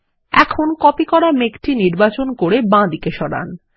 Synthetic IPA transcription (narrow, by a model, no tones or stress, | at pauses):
ɛ̰kʰonkɔpikɔɽamekʈiniɾbat͡ɕonkoɾebãd̪ikeʃɔɽa̰n